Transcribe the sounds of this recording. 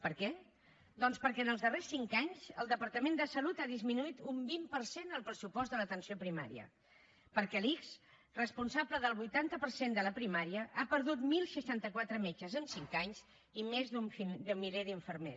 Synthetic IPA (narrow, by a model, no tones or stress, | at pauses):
pəɾkɛ | d̪ɔnspəɾkɛənəlˠzðəresːiŋkaɲzəlˠd̪əpəɾt̪əmend̪əsəlut̪aðizminuit̪umbimpəɾsenəlˠpɾəsupɔzd̪ələt̪ənsiopɾima̰ɾḭə̰ | pəɾkɛlikz | rəspunsabləðəlˠβujt̪ant̪əpəɾsend̪ələpɾimaɾiəʔapəɾðut̪milˠsəʃant̪əkwat̪ɾəmet͡ʃəzənsiŋkaɲz | imezðumfid̪əmːileðiɱfəɾmḛ